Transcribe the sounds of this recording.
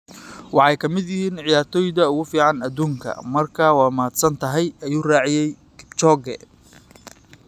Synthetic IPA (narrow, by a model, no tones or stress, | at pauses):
wɑħɑjkʰɐmɪd̪jɪɦiːnʕɪjaːrt̪ʰɔːjd̪ɐʊɣʊfiːʕɑnɐd̪uːŋkʰɐ̰mɐrkʰaːwɑːmaːd̪sɐnt̪ʰɐɦɛjɐjuːraːʕɪjɛj | kʰɪ̥bt͡ʃɔːɡɛ̰